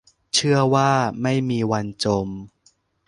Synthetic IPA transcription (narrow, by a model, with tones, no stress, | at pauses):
t͡ɕʰɯ˥˩ɐwaː˥˩ma˥˩jmiː˧wa˧nt͡ɕo˧m